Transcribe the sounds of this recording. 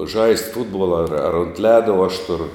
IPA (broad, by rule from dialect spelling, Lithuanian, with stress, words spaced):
ʒɐɪsʲtʲ ˈfʊdbuɔlˠɐ ɐr ɐr ʊnt ˈlʲæːdɐ uɔ ɐʃ ˈtʊrʊ